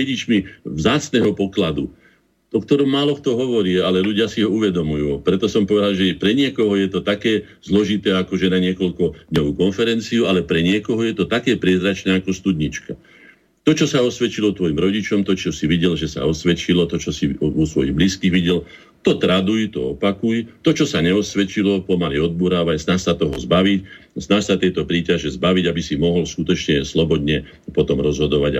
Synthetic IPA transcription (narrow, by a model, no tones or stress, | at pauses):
ɛɟit͡ʃmivzaːt͡snɛːɦɔpɔklad̪u | ɔkt̪ɔɾɔmːaːlɔkt̪ɔɦɔʋɔɾiɛalɛluɟɪasiɦɔuʋɛd̪ɔmujuːpɾɛt̪ɔsɔmpɔʋɛd̪alʒɛpɾɛɲɪɛkɔɦɔjɛt̪ɔt̪akɛː | zlɔʒit̪ɛːakɔʒɛnaɲɪɛkɔʎkɔd̪̥ɲɔʋuːkɔnfɛɾɛnt͡siualɛpɾɛɲɪɛkɔɦɔjɛt̪ɔt̪akɛːpɾɪɛzɾat͡ʃnɛːakɔst̪ud̪ɲit͡ʃka | t̪ɔt͡ʃɔsaɔsʋɛt͡ʃilɔt̪ʋɔjimɾɔɟit͡ʃɔmt̪ɔt͡ʃɔsiʋiɟɛlʒɛsa̰ɔsʋɛt͡ʃilɔt̪ɔt͡ʃɔsiusʋɔjiɣbliskiːɣʋiɟɛl | t̪ɔt̪ɾad̪ujt̪ɔ̰ɔpakujt̪ɔt͡ʃɔsaɲɛɔsʋɛt͡ʃilɔpɔmaliɔd̪̚buɾaːʋaɲznaːʃsat̪ɔɦɔ̰zbaʋicznaʃsat̪ɛjt̪ɔpɾiːcaʒɛzbaʋiɟabisimɔɦɔlskut̪ɔt͡ʃɲɛslɔbɔd̪ɲɛ | pɔt̪ɔmɾɔzɦɔd̪ɔʋaɟa̰